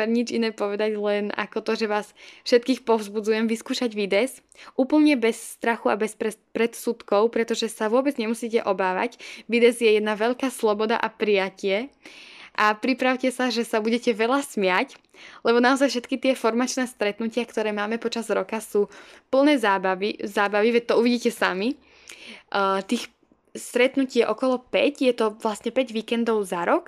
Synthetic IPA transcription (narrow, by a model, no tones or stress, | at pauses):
ɛɾɲid͡ʒinɛːpɔʋɛd̪aɟlɛna̰kɔt̪ɔʒɛʋaːsfʃɛt̪̚kiːxpɔʊzbud͡zujɛmʋiskuːʃaɟʋid̪ɛs | ʔuːpl̩ɲɛbɛsːt̪ɾaxua̰bɛspɾɛpɾɛt̪sut̪kɔʊpɾɛt̪ɔʒɛsaʋʊɔbɛd͡zɲɛmusiːcɛʔɔbaːʋa̰cʋid̪ɛzjɛjɛd̪naʋɛʎkaːslɔbɔd̪a̰ʔapɾijacɪɛ | ʔapɾipɾaʊcɛsaʒɛsabuɟɛcɛʋɛʎasmɪac | lɛbɔnaɔzajfʃ̬ɛt̪kit̪ɪɛfɔɾmat͡ʃnɛːst̪ɾɛt̪nucɪakt̪ɔɾɛːmaːmɛpɔt͡ʃazɾɔkasuːpl̩nɛːzaːbaʋizaːbaʋiʋɛc̚t̪ɔuʋiɟiːcɛsami | t̪iːx | st̪ɾɛt̪nucɪɛʔɔkɔlɔpɛcjɛt̪ɔʋlasɲɛpɛɟʋiːkɛnd̪ɔʊzaɾɔk